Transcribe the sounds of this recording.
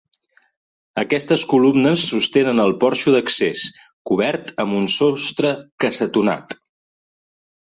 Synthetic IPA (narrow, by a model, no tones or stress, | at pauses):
əkɛst̪əskulumnəsːust̪enənəlˠpɔɾʃuðəkses | kuβ̞ɛɾt̪əmbunsost̪ɾəkəsət̪una̰t̪